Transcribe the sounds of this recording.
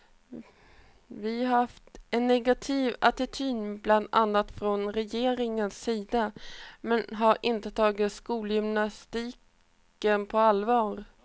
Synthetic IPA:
vɪɦaɾaft̪ɛnːɛɡat̪ʰiːvat̪ɪt̪ʰyːnbland̪a̰nːat̪fɾɔnɾɛjeːɾɪŋənsːiːd̪amɛnɦaɾʔɪnt̪ət̪ʰɑːɡɪt̪skuːljʏmnast̪iːk | ənpʰɔalvɑːɾ

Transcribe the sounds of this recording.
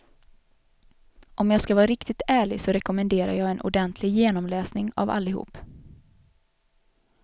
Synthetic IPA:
ʔɔmjɑːskavɑːɾɪkt̪ɪt̪æːɭɪɡsɔɾɛkɔmɛnd̪eːɾa̰ɾjɑːɡɛnʔʊ̰ɖɛnt̪ʰlɪɡjeːnɔmlɛːsnɪŋa̰va̰lːɪhṵːp

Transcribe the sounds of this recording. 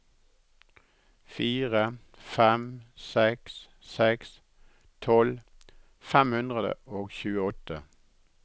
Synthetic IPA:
fiːʁə | fɛmsɛks | sɛks | t̪ʰɔl | fɛmhʉnd̪ʁəd̪ə̰ʔoːɡçʉːəɔt̪ə

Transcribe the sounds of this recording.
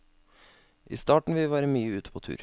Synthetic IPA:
ʔḭːst̪ɑːʈɳ̩ʋɪʋæːɾəmyːəʉːt̪ə̥pʰoːt̪ʰʉ̰ːɾ

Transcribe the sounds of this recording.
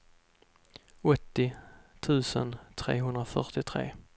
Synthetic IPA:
ɔt̪ːɪt̪ʰʉ̟ːsənt̪ʰɾḛːɦɵnd̪ɾafœ̰ʈɪt̪ʰɾḛː

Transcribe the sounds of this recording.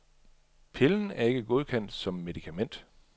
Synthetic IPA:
pʰe̝ln̩æɐe̝ɡ̥əɡ̥o̝ð̞ˠkʰen̰d̥sɒ̽mːe̝ðˠikʰæmen̰d̥

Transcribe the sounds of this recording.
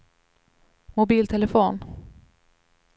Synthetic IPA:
mʊbiːlt̪ʰɛlɛfoːn

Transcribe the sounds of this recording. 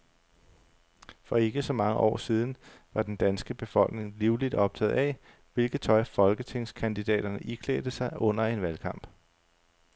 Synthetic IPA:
fɒ̽e̝ɡ̥əsɒ̽mɑ̈ŋəʔɒ̰ːsiːð̞ˠn̩ʋɑ̈d̥end̥ænsɡ̥əb̥e̝fɒ̽l̰ɡ̥ne̝ŋliʊlid̥ɒ̽b̥̚t͡sʰɛ̰ːð̩ˠɛ | ʋe̝lɡ̥ð̩ˠt͡sʰɒ̽ɪfɒ̽lɡ̥ət͡sʰe̝ŋskʰænd̥id̥ɛ̰ːd̥ɐnəʔikʰlḛːd̥əsɑ̈ɪʔɔ̽n̰ɐe̝nʋælkʰɑ̈m̰b̥

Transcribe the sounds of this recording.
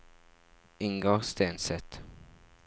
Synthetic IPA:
ʔɪŋɡoːʁst̪eːnsɛt̪

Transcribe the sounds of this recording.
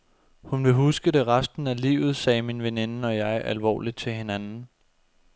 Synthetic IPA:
hunʋe̝ɦusɡ̥əɾ̥e̝ʁɑsd̥n̩ælḭːʊð̞̩ˠsɛːminʋe̝ne̝nəɒ̽jɑ̈ɪælʋɒ̰ːlid̥̚t͡sʰe̝he̝nænn̩

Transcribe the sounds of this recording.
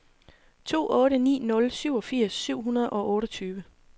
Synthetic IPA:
t͡sʰo̝̰ːʔɔ̽ːɾənḭːnɔ̽lsyʊ̰ɒ̽fiɐ̰sːyʊ̰ɦunɐð̩ˠɒ̽ʔɔ̽ːɾɒt͡sʰyːʋə

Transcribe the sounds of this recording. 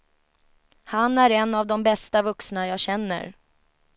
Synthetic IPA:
hanæɾɛnːavd̪ɔmbɛst̪avɵksnajaːɕɛnːə̰ɾ

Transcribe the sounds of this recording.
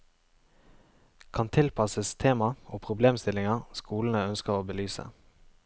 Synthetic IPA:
kʰɑnt̪ʰɪlpʰɑsəst̪ʰeːmɑoːpʰʁʊbleːmst̪ɪlɪŋɑʁskuːln̩əœnskəʁoːbəlyːsə̰

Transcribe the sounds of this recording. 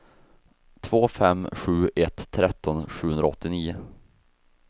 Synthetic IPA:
t̪ʰvoːfɛmːɧʉ̟ːɛt̪ʰːɾɛt̪ːɔnɧʉ̟ːhɵnd̪ɾaɔt̪ʰːɪniːʊ

